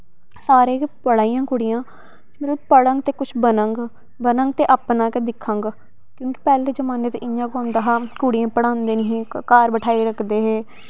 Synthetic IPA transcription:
saːɾeːpəɽaːijãːkʊɽɪjãː | d͡ʒmət̪ləbpəɽə̃ŋɡt̪eːkʊt͡ʃʰbənəŋɡ | bənə̃ŋɡ̚t̪eːʔaːpnãːkɛːd̪ɪkʰːãːŋɡ | kjõːki̥pɛːleːd͡ʒəmaːneːt̪eʔɪjãːkãnd̪aːɦaːkʊɽijãːpəɽãːnd̪eːniɦĩːkaːɾbəʈʰaːiːɾəkʰd̪eːɦeː

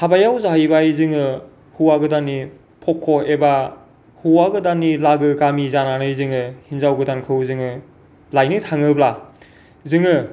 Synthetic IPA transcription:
tʰabajawzaɦɯjbajzɯŋɯ | huwaɡɯdanːi | pʰɔkʰːoeba | huwaɡɯdanilaɡɯɡamizananɯjzɯŋɯhinzawɡɯdankʰɯwzɯŋɯ | lajnɯtʰaŋɯbla | zɯŋɯ

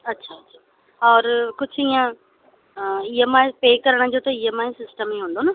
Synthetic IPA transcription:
ɐtːɕʰaɐtːʃʰḁ | ɔːɾkʊd͡ʑʱijã | iɦəmãːẽpeːkɐɾəɽ̃̆d͡ʑoːt̪ɐiɦəmãːĩsɪsʈəmiɦũːnd̪oːnɐ

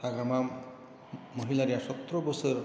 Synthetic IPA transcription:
aɡɾama | mɔɦilaɾijasɔt̪ɾɔbɔsɔɾ

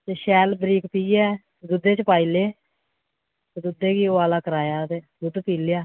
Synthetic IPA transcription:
t̪eːʃɛːlbɾiːkpiːɛː | d̪ʊd̪ːeːt͡ʃpaːiːleː | t̪ed̪ʊd̪ːeːkiːoːaːlaːkəɾaːjaːt̪eː | ɡ̪ʊd̪piːlɪjaː

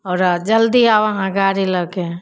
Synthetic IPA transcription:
ɔːɾd͡ʒəld̪iaʋaɦãɡaːɾiləɡẽ

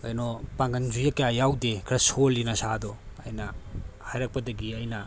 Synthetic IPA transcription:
ajnopaŋɡɐnzujɐkjajawdekʰɾɐsolːinɐsadɔɐjnɐhajɾɐk̚pɐdɐɡiɐjnɐ

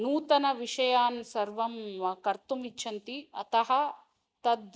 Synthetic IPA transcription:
nuːt̪ɐnɐʋiʂɐjaːnsɐɾʋɐmʋɐkɐɾt̪umitːʃʰɐnt̪iɐ̰t̪ɐɦɐ | t̪ɐd̪

